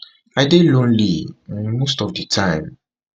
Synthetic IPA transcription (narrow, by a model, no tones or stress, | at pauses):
aɪdelõnlimostɔfdətʰãɪ̃m